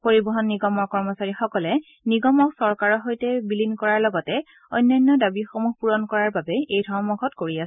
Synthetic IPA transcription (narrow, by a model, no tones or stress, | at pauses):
poɹibɔɦɔnːiɡɔmɔɹkɔɹmɔsaɹixɔkɔlɛ | niɡɔmɔksɔɹkaɹɔɦojtɛbilinkɔɹaɹlɔɡɔtɛ | ɔjnːɔjnːɔdabixomuxpuɹɔnkɔɹaɹbabɛejdʱɔɹmɔɡʰʱɔtkoɹiasɛ